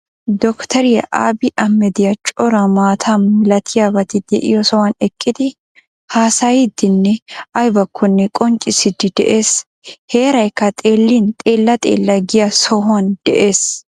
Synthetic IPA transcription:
d̪ɔkt̪ɐɾɪjɐʔaːbɪʔɐmːɛd̪ɪjɐt͡ʃʼɔɾɐmaːt̪ʰanmɪlɐt̪ʰɪjabɐt̪ɪd̪ɛ̰ʔɪ̰jɔsɔwɐnɛkʼːɪd̪ɪ | haːsajɪd̪ɪnːɛʔɐjbɐkʰːɔnːɛkʼɔnt͡ʃʼːɪsɪd̪ɪd̪ɛ̰ʔe̞ːs | he̞ːɾɐjkːɐt̪ʼe̞ːlːint̪ʼeːlːɐt̪ʼḛːlːɐɡɪjɐsɔhand̪̥ɛʔeːs

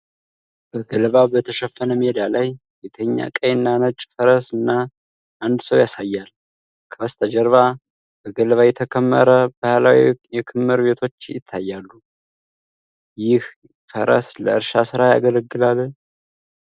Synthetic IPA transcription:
b̥əɡəlβabət̪ʰəʃəfːənəmed̪alaj | bet̪ʰəɲːa̰kʼəjɨnːanət͡ʃʼfəɾəsɨnːa | ʔand̪səwjasajːal | kʰəst̪ʰʼəd͡ʒəɾβa | b̥əɡəlβajɛt̪ʰəkʰəmːə̰ɾəbahalawijɛkʰɨmːɨɾbe̞t̪ʰo̞t͡ʃːjɪ̰t̪ʰːajːalːu | jɪh | fəɾə̰sləɨɾʃasɨɾaja̰ɡələɡːɨlalːn

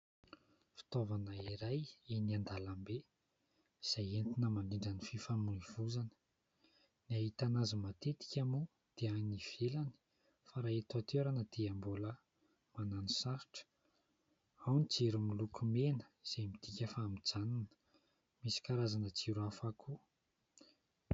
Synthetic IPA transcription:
fi̥t̪ovanəiɾajiniand̪alambe | iz̥ajent̪inəmaɳiɳɖ͡ʐanififamuiv̥uzanə̥ | niaɦit̪anazmat̪et̪i̥kʲamu | d̪̥eaniv̥elani̥ | faɾaet̪at̪eɾanəd̪̥eambolə | mananisaɾiʈ͡ʂə̥ | awnit͡seɾumilukʰumenə̥z̥emid̪̥ikʲafaːmid͡zananə̥ | misi̥kaɾazanət͡siɾuafakʰu

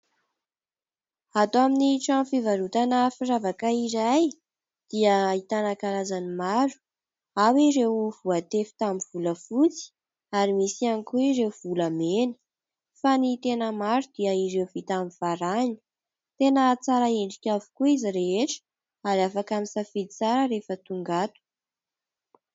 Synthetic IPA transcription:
at̪oaminiʈ͡ʂanfivaɾut̪anəfiravakaiɾaj | d̪̥iəit̪anakaɾazanimaɾu̥ | awiɾewvuat̪efi̥t̪amiv̥uləfut͡si̥ | aɾimisianikuiɾewv̥uləmeni̥ | fanit̪enəmaɾud̪iəiɾewvit̪amiv̥aɾani̥ | t̪enət͡saɾaeɳɖ͡ʐikʲavu̥kuiziɾeɦeʈ͡ʂə̥ | aɾiafakamisafid̪it͡saɾəɾefət̪uŋɡat̪u̥

